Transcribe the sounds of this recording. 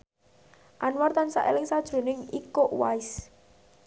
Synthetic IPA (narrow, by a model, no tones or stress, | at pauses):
ʔanwart̪ansa̰ʔḛlɪŋsad̥ʒ̥ɾo̤nɪŋikoʔwaɪs